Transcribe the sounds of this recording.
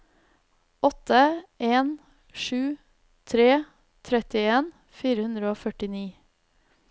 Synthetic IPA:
ɔt̪əʔeːn | ʃʉː | t̪ʰɾeː | t̪ʰɾɛt̪ɪeːn | fiːɾəhʉnd̪ɾəoːfœʈɪniː

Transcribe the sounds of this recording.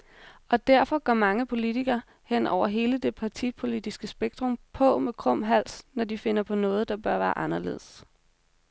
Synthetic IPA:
ɒ̽d̥æɐfɒ̽ɡ̥ɶɐmɑ̈ŋəpʰo̝lit͡sʰiɡ̥ɐː | hen̰ɒʊ̰ɐɦe̝ːləd̥e̝pʰɑ̈t͡sʰipʰo̝lid̥isɡ̥əsb̥eɡ̥̚d̥ʁɔ̽mpʰɒ̽mekʰʁɔ̽m̰ɦæl̰snɒd̥ife̝nɐpʰɒ̽nɔ̽ːð̞̩ˠd̥ɑ̈b̥ɶɐʋæːɐʔɑ̈nɐle̝̰ːð̞̩ˠs

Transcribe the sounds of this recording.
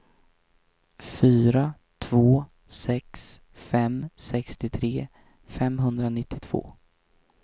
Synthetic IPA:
fyːɾa | t̪ʰvoː | sɛks | fɛmsɛkst̪ɪt̪ʰɾeː | fɛmɦɵnd̪ɾanɪt̪ʰːɪt̪ʰv̥o̰ː

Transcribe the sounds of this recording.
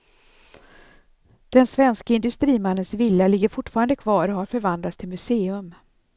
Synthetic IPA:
d̪̥ɛnsvɛnskaɪnd̪ɵst̪ɾiːmanːənsvɪlːalɪɡːəɾfʊʈːfɑːɾand̪əkʰvɑːɾɔhaɾfœɾvand̪lat̪st̪ʰɪlmɵseːɵm

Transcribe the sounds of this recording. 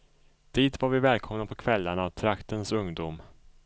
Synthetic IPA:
d̪̥iːt̪vaɾvɪvɛːlkʰɔmnapʰɔkʰvɛlːaɳavt̪ʰɾakt̪ənsɵŋd̪uːm

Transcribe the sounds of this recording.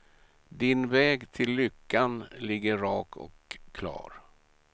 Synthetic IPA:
d̪ɪnvɛːɡt̪ʰɪlːʏkːanlɪɡːəɾɑːkʰɔ̰kʰːlɑ̰ːɾ

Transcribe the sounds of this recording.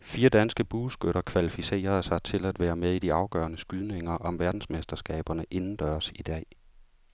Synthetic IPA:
fiːɐd̥ænsɡ̥əb̥uːsɡ̥øɾɐkʰʋælifise̝̰ːɐðˠsɑ̈ɪt͡sʰe̝læd̥ʋæːɐmeðˠid̥iɑ̈ʊɡ̥ɶːɐnəsɡ̥yðˠne̝ŋɐʔɒ̽mʋæɐd̥n̩smesd̥ɐsɡ̥ɛ̰ːb̥ɐnəʔe̝nn̩d̥ɶːɐsid̥ɛ̰ː

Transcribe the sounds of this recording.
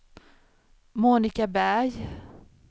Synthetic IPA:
muːnɪkabæɾj

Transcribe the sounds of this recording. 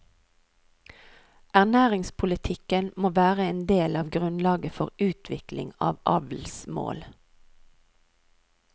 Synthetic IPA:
ʔæʁnæːʁɪŋspʰʊlɪt̪ʰɪkənmoːʋæːʁəeːnd̪eːlɑːʋɡʁʉnlɑːɡəfɔʁʉːt̪ʰʋɪklɪ̰ŋɑ̰ːʋʔɑ̰ʋl̩smo̰ːl

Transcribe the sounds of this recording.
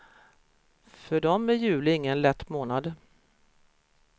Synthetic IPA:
fœɖɔmɛjʉ̟ːlɪɪŋːənlɛt̪ːmoːnad̪

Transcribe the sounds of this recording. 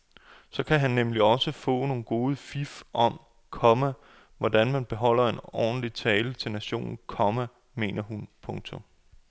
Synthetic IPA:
sɒ̽kʰæɦænːemliɒ̽səfɔ̰̽ːno̝ːn̩ɡ̥o̝ːð̞̩ˠəfifʔɒ̽m | kʰɒ̽mæ | ʋɒdænmænb̥e̝ɦɒ̽l̰ɐe̝nɒ̰ːn̩lit͡sʰɛːlət͡sʰe̝lnæɕo̝̰ːnn̩kʰɒ̽mæ | me̝̰ːnɐɦunpʰɔ̽ŋt͡sʰo̽m

